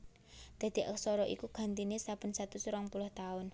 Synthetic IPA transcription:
d̪̥a̤d̪̥i̤ʔəksɔɾɔʔḭkuɡ̥a̤nt̪inesab̥ə̤nsat̪usɾɔŋpulʊht̪aʊn

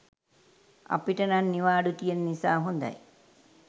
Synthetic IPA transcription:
ɐ̰piʈɐnanːiʋaːɽut̪ijɐnːisaːɦond̪a̰j

